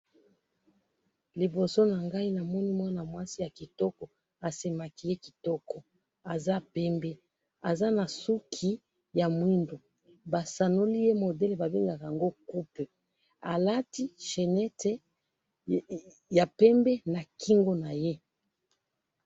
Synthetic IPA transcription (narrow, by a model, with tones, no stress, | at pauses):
li˨bo˨so˦na˨ŋɡa˦i˦na˨mɔ˦ni˦mwa˦na˨mwa˦si˦ja˨ki˨tɔ˦kɔ˨ | a˨se˨ma˨ki˦je˦ki˨tɔ˦kɔ˨ | a˨za˦pɛ˦mbɛ˦ | a˨za˦na˨su˦kʰi˨˦ | ja˨mwi˦ndo˨ | ba˨sa˨no˦li˦je˦mo˨dɛ˦le˨ba˨bi˦ŋɡa˨ka˨ja˨ŋɡo˦ku˦pe˨ | a˨la˦ti˦ʃe˨nɛ˦te˦ | ja˨pɛ˦mbɛ˦na˨ki˦ŋɡo˦na˨je˦